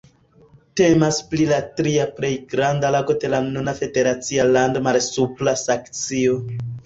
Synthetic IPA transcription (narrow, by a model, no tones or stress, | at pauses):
te̞masplilatɾiaple̞jɡɾandalaɡo̞de̞lanunafe̞de̞ɾat͡sialando̞malsuplasakt͡sio̞